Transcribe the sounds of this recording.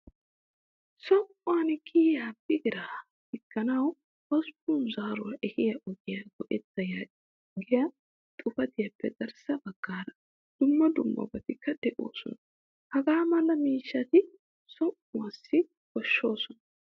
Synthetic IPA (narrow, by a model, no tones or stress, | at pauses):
sɔŋʔʊwɐnkɪjaːbɪɡɪɾaː | ɪkːɐnɐw | ɔspunzaːɾʊwɐʔɛhɪjɐʔɔɡɪjaɡɔʔɛt̪ːɐja | ɡɪjɐ | t̪ʼʊfɐt̪ɪjɐpːɛzɐɾsɐbɐɡ̥ːaːɾɐ | d̪̥ʊmːɐd̪ʊmːɐ̰bɐt̪ɪkːɐd̪̥ɛʔo̰ːsɔ̰nɐ | hɐɡaːmɐlːɐmiːʃːɐt̪ɪ | sɔŋʔʊwasːɪ | kɔʃːo̞ːsɔnɐ